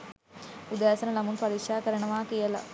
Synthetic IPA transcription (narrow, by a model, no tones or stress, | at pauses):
ud̪aːsɐnɐlɐmunpɐɾiːkʂaːkɐɾɐɳɐʋaːkijɐlɐ̰